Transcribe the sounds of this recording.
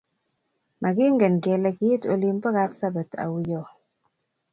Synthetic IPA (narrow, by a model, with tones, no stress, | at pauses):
mʔa˨ɡɪ˦ŋɡɛ˨nɡɛ˨lɛ˨kɪ˦je˦to̰˨li˨mpɔ˦ka˦psa˦ba˨t̪ʰa̰˨wu˨jɔ˨